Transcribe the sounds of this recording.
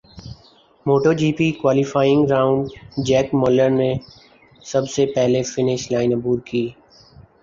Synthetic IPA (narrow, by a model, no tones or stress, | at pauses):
moːʈoːd͡ʒiːpiːkwaːlɪfaːɪɪ̃ŋɡɾaːʊ̃ɳɖd͡ʒɛːkmoːləɾne | səbsepɛɦlefɪnɪʃlaːɪnəbuːɾkiː